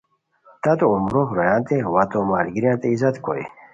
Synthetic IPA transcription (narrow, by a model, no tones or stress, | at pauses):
t̪ɐt̪oumɾoxɾojãːnt̪ewɐt̪omaːlɡiɾjãːnt̪eizɐt̪kʰo̰j̰